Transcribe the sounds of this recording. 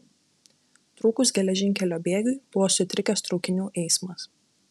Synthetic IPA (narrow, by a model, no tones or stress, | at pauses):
t̪ɾuːkʊs̬ɡʲɛlʲɛʒʲɪŋʲkʲɛlʲoːbʲeːɡʲʊjb̥ʊʋoːsʲʊt̪ʲɾʲɪkʲɛst̪ɾɔʊkʲɪnʲuːʔɛɪsmɐs